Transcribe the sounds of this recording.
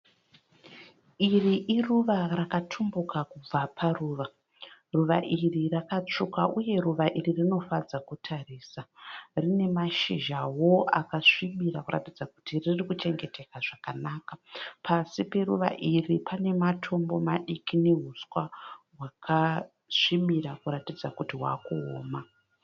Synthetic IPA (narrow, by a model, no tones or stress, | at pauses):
iriʔiruʋarakatʰumbukakub͡vapʰaruːʋa | ruʋaʔirirakat͡ʂukaʔuje̞ruʋaʔiririno̞fad͡zakutʰariːsarine̞maʃiʒawo̞a̰kaʂimiɾakuɾa̰tid͡zakutiririkut͡ʃe̞ŋɡe̞te̞kaʐakanaːkapʰasipe̞ruʋa̰ʔiripʰane̞matʰo̞mbo̞maɗikine̞ɦuswaɦwakʰa | ʂimiɾakuɾatid͡zakutiɦwa̰ːkuo̰ːma